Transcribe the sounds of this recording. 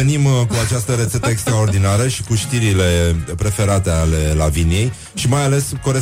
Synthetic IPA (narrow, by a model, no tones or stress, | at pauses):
enimkuat͡ʃast̪əɾet̪se̞t̪əekst̪ɾao̞rd̪inaɾəʃi̥kuʃt̪iɾile̞pɾe̞fe̞ɾat̪e̞ale̞la̰vinije̞j | ʃimajale̞sko̞ɾe